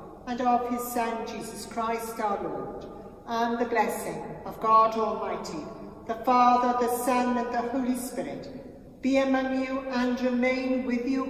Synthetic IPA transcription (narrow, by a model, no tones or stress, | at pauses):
ə̃nʌv̥ɪz̥sʌ̃nd͡ʒizəskʰɹ̥aɪstaʊə˞lɔɹd | ʔə̃nðɨblɛsɪ̃ŋʌvɡɑɾɔlˠmaɪtʰi | ðəfɑðə˞ðɨsʌ̃nə̃nðəhoʊlispɪɹɪ̰t | b̥iɨmʌ̃ŋjuʔə̃nɹɪmẽɪ̃nwɪðjɨ